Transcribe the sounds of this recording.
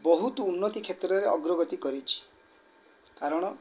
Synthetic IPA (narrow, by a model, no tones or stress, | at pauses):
bɔɦut̪uunːɔt̪ikʰet̪ɾɔɾeɔɡɾɔɡɔt̪ikɔɾit͡ʃʰi̥ | kaɾɔɽ̃ɔ